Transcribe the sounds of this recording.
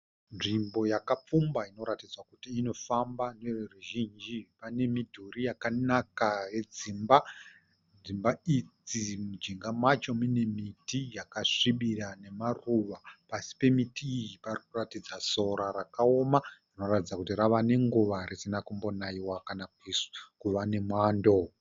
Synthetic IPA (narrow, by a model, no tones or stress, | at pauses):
nʐimbo̞jakap͡fumbaino̞ɾatid͡zwakutiːno̞fambanereruʒind͡ʒipane̞midʱurijakanakaje̞d͡zimba | d͡zimbaid͡zimud͡ʒiŋɡamat͡ʃo̞mune̞mitijakaʂiɓirane̞maruʋapasi̥pe̞mitiːjiparikuratid͡zaso̞ɾaɾakao̞marino̞ratid͡zakutiɾaʋane̞ŋɡuʋarisinakumbo̞naiwakanakiskuʋane̞mwaːndo̞